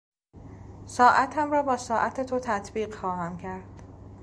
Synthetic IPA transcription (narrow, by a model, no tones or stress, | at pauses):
sɒːʔæt̪ʰæmrɒːbɒːsɒːʔæt̪ʰet̪ʰot̪ʰæt̪ʰbiːɢxɒːhæmcʰæɾd̪̥